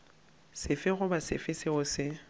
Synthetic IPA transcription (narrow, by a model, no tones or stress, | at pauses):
sɪfɪɣʊbasɪfɪsɪɣʊsɪ